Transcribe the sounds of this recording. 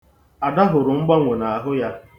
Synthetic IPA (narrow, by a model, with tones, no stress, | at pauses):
a˨da˦ɦʊ˨ɾʊ˨ŋ͡m̩˦ɡ͡ba˦ŋʷe˨na˨a˨ɦʊ˦ja˦